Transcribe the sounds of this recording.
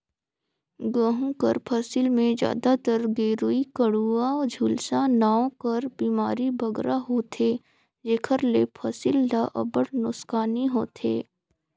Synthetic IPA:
ɡəɦũkəɾpʰɐsɪlmẽd͡ʒja̰ːd̪at̪əɾɡeːɾuikəɽuad͡ʒʱuːlsanaːõkɐɾbiːmaːɾibʱɐɡɾʔaɦoːt̪ʰe | d͡ʒeːkʰəɾlepʰɐsɪld̪aʔɐ̰bəɽnʊskaːniɦoːt̪ʰḛː

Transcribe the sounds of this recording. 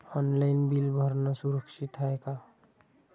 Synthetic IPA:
ɔnlaɪnbilbʱəɾnasuɾəksit̪ɦaeka

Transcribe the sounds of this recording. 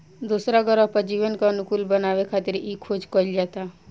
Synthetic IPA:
d̪usɾaɡəɾɔpəd͡ʒiːʋənkaɐnʊkuːlbənaːʋekʰaːt̪ɪɾiːkʰːoːd͡ʒkɔld͡ʒaːt̪a

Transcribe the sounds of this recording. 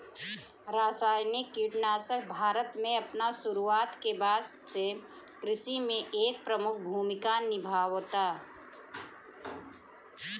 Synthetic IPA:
ɾaːsaːjnikiʈnaːsək̚ʰbʱaːɾət̪mẽɐpnasʊɾuaːt̪kebaːd̪se | kɾɪʃimẽʔeːk̚pɾəmʊk̚ʰbʱuːmɪkanɪbʱaːwt̪aː

